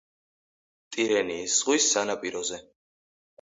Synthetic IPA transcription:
t̪ʼiɾɛniːsʁwisːanapʼiɾɔzɛ

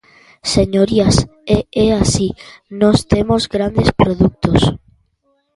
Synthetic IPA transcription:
seɲoɾiaseɛasinɔst̪emozɡɾand̪espɾoðuk̚t̪os

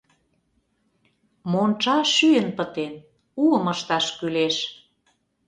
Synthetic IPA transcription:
mont͡ʃɑʃyənpət̪en | uə̆mə̆ʃt̪ɑʃkyleʃ

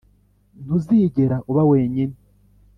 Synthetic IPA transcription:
n̥huziːɟe̞ɾaʔuβaweːɲine

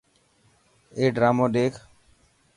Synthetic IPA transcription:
eːɖɾaːmod̪eːkʰ

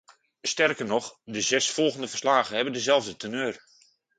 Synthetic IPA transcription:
stɛrkərnɔχdəzɛsfɔlˠɣəndəvərslaːɣəhɛbəndəzɛlˠvdətʰənøːr

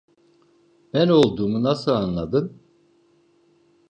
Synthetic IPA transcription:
b̥æno̞lˠd̪uːmunasɯlˠanlˠad̪ɯn

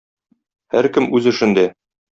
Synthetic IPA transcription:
hæɾkɘmʔʉzɘ̆ʃɘ̆nd̪æ

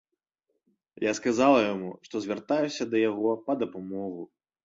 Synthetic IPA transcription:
jaskazalˠɐjamuʂt̪ɔzʲvʲart̪ajusʲɐd̪ɐjaɣɔpɐd̪ɐpamɔɣu

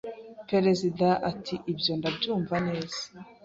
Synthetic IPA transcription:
pe̞ɾe̞zidaʔatʰiʔibjo̞ndabɟuːɱvane̞ːz̥ḁ

